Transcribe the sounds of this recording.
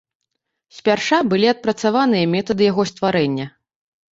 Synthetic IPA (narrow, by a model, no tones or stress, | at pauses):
sʲpʲarʂabɨlʲiɐt̪̚pɾɐt̪savanɨjɐmʲɛt̪ɐd̪ɨjaɣɔst̪vaɾɛnʲːɐ